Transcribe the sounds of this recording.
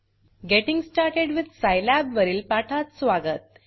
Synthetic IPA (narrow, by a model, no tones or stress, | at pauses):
ɡeʈĩŋɡsʈaɾʈeɽʋid̪̚ʱsajlæbʋəɾiːlpaʈʰat͡ssʋaɡət̪̚